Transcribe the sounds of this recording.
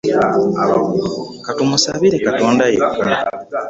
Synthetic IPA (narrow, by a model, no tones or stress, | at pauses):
katumusaβiɾe̞kato̞ːndajḛuk